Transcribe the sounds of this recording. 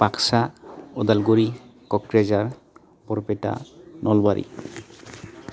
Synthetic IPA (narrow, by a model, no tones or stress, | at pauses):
paksaɔd̪alɡuɾikɔkɾed͡ʒaɾ | bɔɾpeʈa̰nʔɔlbaɾḭ